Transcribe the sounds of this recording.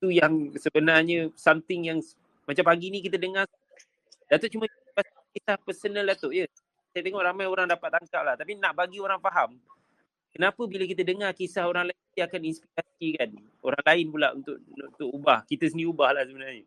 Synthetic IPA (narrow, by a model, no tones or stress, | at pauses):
t̪ujaŋsəbənarɲə̃samt̪ɪŋjaŋ | mat͡ʃampaɡinik̬it̪ədəŋar | dat̪oʔ̚t͡ʃumə | pasikesahpərsənəldat̪oʔjə | sajət̪əŋɔʔɾamãjoɾaŋdapat̪̚aŋkaplaht̪apinaʔbaɡioɾaŋfaɦam | kənapəbiləkit̪ədəŋarkisahoɾaŋlaɪnt̪iakaninspiɾasikan | o̰ɾaŋlaɪnpulaʔṵnt̪ʊʔ̚unt̪ʊkubahkit̪əsəniubahlahsəbənarɲə